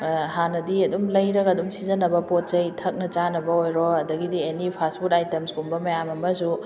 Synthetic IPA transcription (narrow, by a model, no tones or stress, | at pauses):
hanɐdiɐdumlɐjɾɐɡɐdumsizɐnɐbɐpot̚t͡ʃɐjtʰɐk̚nɐt͡ʃanɐbɐojɾɔɐdɐɡidienipʰaspʰutajtemspumbɐmɐjamɐmɐs̬u